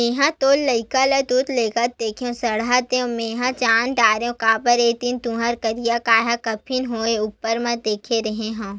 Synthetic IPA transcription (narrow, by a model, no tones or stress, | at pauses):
ẽːɦãt̪oːlːɐɪkalɐd̪ut̪leːkat̪d̪eːkʰeõsɐɽɦaːt̪eõmẽːɦãt͡ʃaːnɖaːɾẽkaːpəɾeːt̪int̪ũɦaɾkɐɾijakaːɦakɐpʰɪnɦoːeupːəɾmãd̪eːkʰeɾɐɦẽɦõː